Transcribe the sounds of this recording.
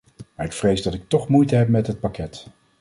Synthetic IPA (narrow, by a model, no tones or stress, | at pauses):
maːɹɪkfrejzdɑtɪk̚tɔχmujtəɦɛp̚mɛtɦət̚pakɛt